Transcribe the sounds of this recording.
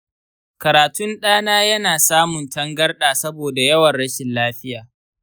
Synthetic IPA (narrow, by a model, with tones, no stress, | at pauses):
kɐ˨ɾaː˨tʊ˦nɗaː˦naː˦jɐ˦naː˨saː˦mʊ˨ntɐ˦ŋɡɐ˦rɗaː˨sɐ˦boː˨da˨jɐ˦wɐ˨nɽɐ˦ʃɪ˨nlaː˦ɸɪ˦jaː˨